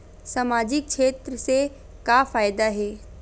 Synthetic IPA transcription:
samad͡ʑɪk̚ʃʰeːt̪ɾəse | kafaːjd̪aɦeː

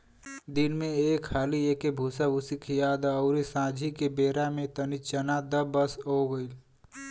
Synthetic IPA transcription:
d̪inmẽeːkʰːaːliekebʱuːsabʊsikʰjaːd̪əʊɾisãːd͡ʒʱikebeːɾamẽt̪ənit͡ʃənad̪əbəsɦoɡəɪl

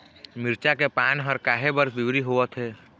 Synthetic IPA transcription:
mɪɾt͡ʃakepaːnɦəɾkaːɦebəɾbɪwɾiɦoːət̪ɦɛː

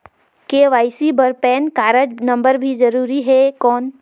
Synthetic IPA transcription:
keʋaːɪsibəɾpɛːnkaːɾəd͡ʒnə̃mbəɾbʱid͡ʒəɾuːɾiɦɛkɔːn

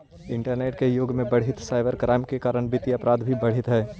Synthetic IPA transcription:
ɪ̃ɳʈəɾneːʈkejoːɡmẽbɐɽ̤ɪt̪saːɪbəɾkɾʔaːɪmkekaːɾəɽ̃bɪt̪iɐpɾaːd̪bʱibɐɽ̤ɪt̪ɦɛː

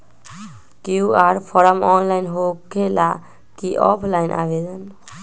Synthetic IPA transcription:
kjjuaːɾpʰɔːɾəmɔːnlaɪnɦokela | kiʔɔ̰pʰlaːɪnʔa̰ːʋed̪ən

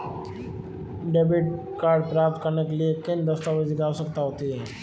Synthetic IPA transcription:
ɖeːbɪʈ̚ | kaːɾɖpɾaːp̚t̪kɐɾnekeliekend̪əst̪aʋəd͡ʒiɡaːosəkt̪aɦoːt̪iɦɛː

